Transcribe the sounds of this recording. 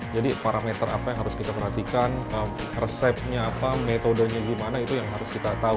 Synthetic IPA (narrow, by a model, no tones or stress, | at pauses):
d͡ʒadipaɾamet̪əɾa̰pajaŋɦaɾʊskit̪apərɦat̪ikanəm | rəsɛp̚ɲaːpamet̪odəɲaɡimanait̪ujaŋɦaɾʊskit̪at̪au